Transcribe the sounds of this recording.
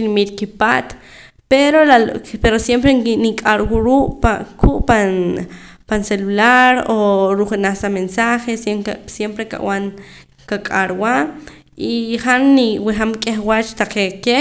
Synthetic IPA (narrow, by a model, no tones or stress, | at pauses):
inimit̪kipaːt̪ | peɾolalpeɾosjempɾeŋnikʼaɾwuɾuːʔpakʰuʔpan | panselulaɾoɾuχenaχsamensaχesesjempɾeka̰ʔwan | kakʼaɾwaʔ | iχanːiwiχamkʼeχwat͡ʃt̪aqeke